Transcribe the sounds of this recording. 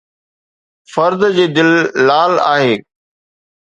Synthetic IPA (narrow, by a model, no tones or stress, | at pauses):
fɐɾd̪d͡ʑeːd̪ɪlːaːla̰ːɦeː